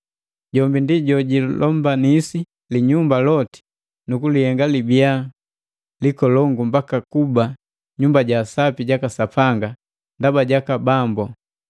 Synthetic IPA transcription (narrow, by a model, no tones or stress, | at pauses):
ɟɔmbindiɟɔɟilʔɔmbanisi | liɲumbalɔti̥ | nukulihɛŋɡalibija | likɔlɔŋɡumbakakuba | ɲumbaɟasapiɟakasapaŋɡa | ndabaɟakabambɔ